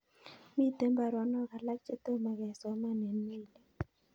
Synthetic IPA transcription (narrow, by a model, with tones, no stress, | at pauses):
mi˦˨t̪e˦mba˨ɾɔ˨˦nɔ˦ka˨la˦k̚t͡ʃe˦t̪o˦ma˨ɡɛ˨so˨˦ma˦ne˨nːe˦˨le˨